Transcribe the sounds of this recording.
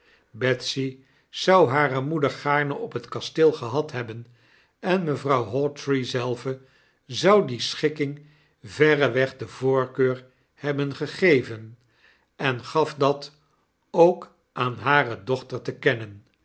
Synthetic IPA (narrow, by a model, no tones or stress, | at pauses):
bɛtsi | z̥ʌwɦaːɾəmudəɹχaːɹnəʔɔpɦətkɑstɪlˠχəɦɑtɦɛbən | ɛnməvrɑwɦɔtɹizɛlˠvə | zʌwdisχɪkɪŋ | vɛrəʋɛχdəvʊːɹkøːɹ | hɛbənχəχejvən | ɛnχɑfdɑt | owk | ʔaːnɦaːrədɔχtəɹtəkɛnən